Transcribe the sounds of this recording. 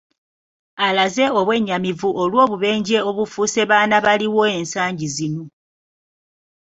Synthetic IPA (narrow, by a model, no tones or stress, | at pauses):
alaze̞oβwe̞ɲːamivuʔolwo̞ːβuβe̞ːɲɟe̞o̞βufuːse̞βaːnaβaliwo̞e̞ːnsaːɲɟizino̞